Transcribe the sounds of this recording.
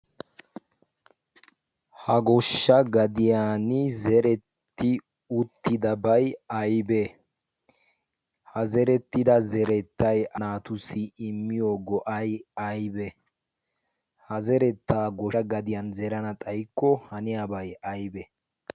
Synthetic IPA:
hɐɡɔʃːɐɡɐd̪ɪjaːnɪzɛɾɛt̪ːɪ | ʊt̪ːɪd̪ɐbɐjɐjbɛ | hɐzɛɾɛt̪ːɪd̪ɐzɛɾɛt̪ːɐjɐnaːt̪ʊsɪːɪmːɪjoːɡɔʔɐjɐjbɛ | hɐzɛɾɛt̪ːaːɡɔɐɡɐd̪ɪjɐnzɛɾɐnɐt̪ʼɐjkːɔhɐnɪjaːbɐjɐjbɛ

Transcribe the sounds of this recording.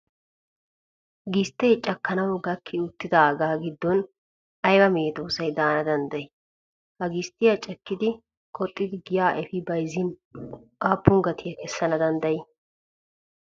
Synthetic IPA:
ɡɪst̪ːɛjt͡ʃʼɐkːɐnɐwɡɐkʰːɪʊt̪ːɪd̪ɐɡaːɡɪd̪ːɔn | ɐjwɐmeːt̪oːsɐjd̪aːnɐd̪ɐnd̪ɐjɛ | hɐɡɪst̪ːɪjɐt͡ʃʼɛkːɪd̪ɪ | kʰʼɔt̪ʼːɪd̪ɪɡɪjaːʔɛfɪbɐjzɪn | aːpːʊŋɡɐt̪ɪjɐkɛsːɐnɐd̪ɐnd̪ɐjɛ

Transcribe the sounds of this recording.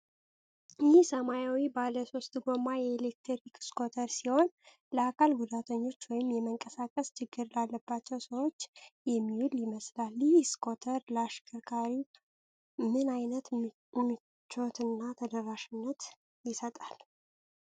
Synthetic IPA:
jihsəmajawibaləso̞st̪ʼɡo̞majɛːlek̚t̪ʰoɾikskʰo̞t̪ʰəɾsiho̞n | ləakʰalɡud̪at̪ʰəɲːo̞t͡ʃːwɔjɪmjɛməŋkʼəsakʼəst͡ʃʰɨɡːɨɾlalːəbːat͡ʃːɛwsəwo̞t͡ʃːjɛmːihuljɪməslalːijskʰo̞t̪ʰəɾləaʃkʰʼɨɾkʰaɾi | mɨnajnət̪ | mːi | t͡ʃːo̞t̪ʰɨnːat̪ʰəd̪əɾːaʃɪnːət̪ | jɪsət̪ʼal

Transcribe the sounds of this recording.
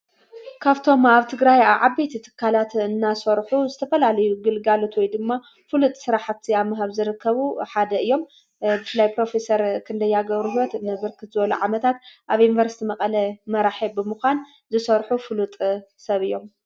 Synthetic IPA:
kʰaβt̪ʰo̞maβt̪ʰɨɡɾajaβʕabet̪ʰit̪ʰɨ̥kʰːalat̪ɨnːasɐɾħuzɨt̪ʰɐfɐlalɐjuɡɨlɡalo̞t̪wɔjd̪ɨmːa | fɨlut̪ʼsɨɾaħaβt̪ʰiaβmaɦaβzɨɾɨkʰːɐβuħad̪ɐɨjːo̞m | bɨfɨlajpɾo̞fe̞sɐɾkʰɨnd̪ɐjːaɡɐβɾuɦiwɐt̪nɨβɨɾkʰɨt̪zɨβɐluʕamɐt̪ʰat̪̚ʔaβjunivɐɾsi̥t̪ʰimɐqʼɐlɐmɐɾaħibɨmɨxʷan | zɨsɐɾħufɨlut̪ʼsɐβɨjːo̞m

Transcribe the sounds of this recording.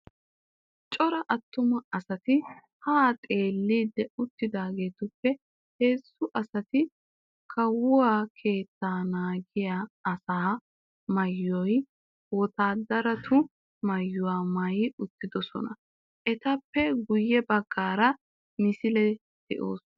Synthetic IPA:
t͡ʃʼɔɾɐʔɐt̪ːʊmɐɐsɐt̪ɪ | hat̪ʼe̞ːlːiːd̪ːɛʊt̪ːɪd̪aːɡe̞ːt̪ʊpːɛ | he̞ːsːʊʔɐsɐt̪ɪ | kʰɐwʊwaːkʰe̞ːt̪ːaːnaːɡɪjaːɐsaː | mɐjːɔj | wɔt̪aːd̪ɐɾɐt̪ʰʊ | mɐjːʊwaːmɐjʊt̪ːɪd̪ɔsɔ̰nɐ | ʔɛt̪ɐpːɛɡʊjːɛbɐɡːaːɾɐ | mɪsɪlɛ | d̪̥ɛʔo̰ːs

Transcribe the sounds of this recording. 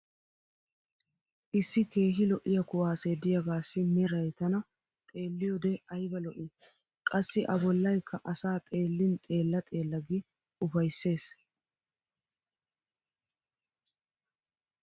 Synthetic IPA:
ʔɪsːɪke̞ːɦɪlɔʔɪjɐkʊwaːsed̪ɪjɐɡaːsːɪnɛɾɐjt̪ɐnɐ | t̪ʼe̞ːlːɪjɔd̪ɛɐjbɐlɔʔɪ | kʼɐsːɪʔɐbɔlːɐjkʰːɐʔɐsaːt̪ʼe̞ːlːɪnt̪ʼe̞ːlːɐt̪ʼe̞ːlːɐɡɪ | ʊfɐjsːe̞ːs

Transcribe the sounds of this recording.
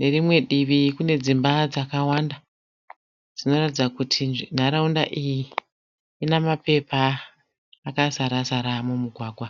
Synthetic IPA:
ne̞rimwe̞ɗiʋikune̞d͡zimbad͡zakawanda | d͡zino̞ratid͡zakutʰin̤aɾaunda̰ʔijiː | namape̞paː | kasaɾasaɾamumuɡʱwaːɡʱwa

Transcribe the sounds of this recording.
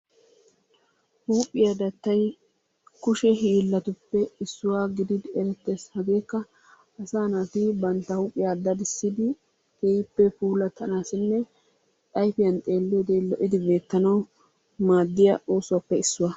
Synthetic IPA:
huːpʼːɪjad̪ɐt̪ːɐj | kʊʃɛɦiːlːɐt̪ʊpːɛɪsːʊwaːɡɪd̪ɪd̪ɛɾɛt̪ːeshɐɡeːkːɐː | saːnat̪ibɐnt̪ːɐhuːpʼːɪjaːd̪ɐd̪ɪsːɪd̪ɪ | keːjɪpːɛpuːlɐt̪ʰɐnaːsɪnːɛ | t̪ʼɐjfɪjɐnt̪ʼe̞ːlːed̪elɔʔɪd̪ɪbe̞ːt̪ːɐnɐw | maːd̪ːɪjɐoːsʊwɐpːɛɪsːʊwɐ

